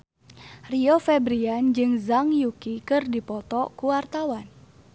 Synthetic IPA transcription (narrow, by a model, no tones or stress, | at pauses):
riofɛbɾiand͡ʒɨŋzaŋjukikɨrdipɔt̪ɔkuwart̪awan